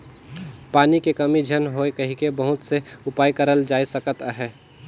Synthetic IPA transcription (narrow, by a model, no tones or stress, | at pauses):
paːnikekəmid͡ʒʱənɦoekəɦikebəɦʊt̪seʊpaːjkəɾəld͡ʒaːisəkət̪aɦɛː